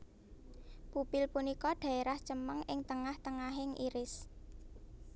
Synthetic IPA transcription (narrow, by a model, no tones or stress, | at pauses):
pupɪlpunikɔɖ̥ä̤eɾaht͡ʃəməŋɪŋt̪əŋaht̪əŋaɦɪŋʔḭɾɪs